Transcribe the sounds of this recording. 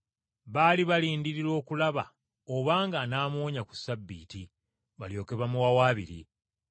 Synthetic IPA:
βaːliβaliːndiɾiɾo̞ːkulaβa̰ | oβaːŋɡanaːmo̞ːɲaku̥sabːiːti | βaljo̞ːke̞βamuwawaːβḭɾḭ

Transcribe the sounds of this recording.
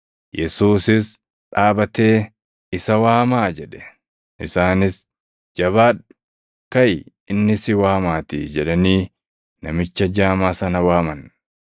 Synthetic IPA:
jɛsuːsɪs | ᶑaːbɐt̪e̞ː | ɪsɐwaːmaːd͡ʒɛᶑɛ̥ | ʔɪsaːnɪs | d͡ʒɐβaːᶑʊ̥ | kɐj | ɪnːɪsɪwaːmaːt̪ɪd͡ʒɛᶑɐniː | nɐmɪt͡ʃːɐd͡ʒaːmaːsɐnɐwaːmɐn

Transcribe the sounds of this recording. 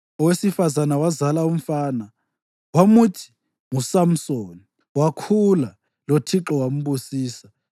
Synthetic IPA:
ɔwesifazanawazalaum̩faːna | wamutʰi̥ | ŋusam̩soni | wakʰula | lotʰiǁɔwam̩busiːsa

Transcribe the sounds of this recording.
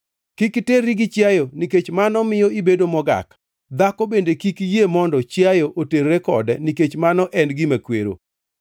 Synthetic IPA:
kikteriɡɪt͡ʃjajoniket͡ʃmanɔmɪjɔibedomɔɡa̰k | d̪akobendekikjemɔndɔt͡ʃjajoʔoteɾːɛkɔ̰dɛniket͡ʃmanɔʔɛnɡɪmakwḛɾo̰

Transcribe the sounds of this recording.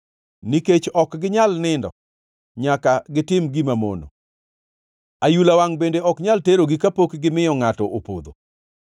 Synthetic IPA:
niket͡ʃɔkɡɪɲalnɪndɔ̰ | ɲakaɡɪtɪmɡimamo̰no̰ | ajulawaŋbendeɔkɲalteɾoɡikapokɡɪmɪjɔŋatɔʔopod̪o̰

